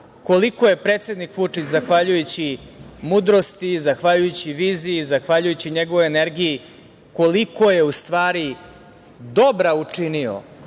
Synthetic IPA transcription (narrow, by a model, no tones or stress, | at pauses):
ko̞liko̞je̞pɾeːt̪se̞d̪nikʋut͡ʂit͡ɕzaxʋaʎujut͡ɕimud̪ɾo̞st̪izaxʋaʎujut͡ɕiʋiːziizaxʋaʎujut͡ɕiɲeɡo̞ʋoeneɾɡiji | ko̞liko̞je̞ust̪ʋaːɾi | d̪o̞bɾaut͡ʂinio̰